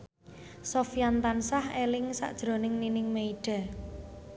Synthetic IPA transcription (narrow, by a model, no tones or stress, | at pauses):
sofijant̪ansahelɪŋsa̰ʔd̥ʒ̥ɾo̤nɪŋninɪŋmeiɖ̥a̤